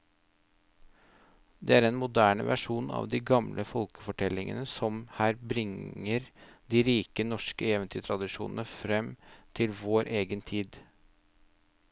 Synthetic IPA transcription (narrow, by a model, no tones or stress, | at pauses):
d̪ɛːæːɾɛnmʊd̪æːɳə̰ʋæ̰ʂuːnɑ̰ːʋd̪iːɡɑmlʔəfɔlkə̥fɔʈʰɛlɪŋə̰nəsɔmhæːɾbɾɪŋəɾd̪iːɾiːkənɔʂkəɛʋənt̪ʰyːt̪ʰɾɑd̪ɪʂṵːnən̩əfɾɛmt̪ʰɪlʋoːɾʔeːɡənt̪ʰiːd̪